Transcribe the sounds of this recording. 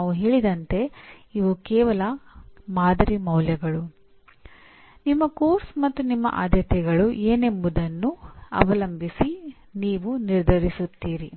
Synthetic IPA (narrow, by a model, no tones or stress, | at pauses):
ʋuɦeːɭid̪ɐnt̪e̞iʋukɛːʋɐlɐmaːd̪ɐɾimɐwljɐɡɐɭu | nimːɐkoːɾsmɐt̪ːunimːɐ̰ʔa̰ːd̪jɐt̪ɛɡɐɭuʔeːne̞mbud̪ɐnːuɐ̰ʋɐlɐmbʱisi | niːʋuniɾd̪ʱɐɾisut̪ːiːɾi